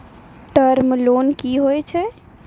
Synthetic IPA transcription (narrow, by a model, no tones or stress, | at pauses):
ʈəɾmlonkiɦojt͡ʃʰɛ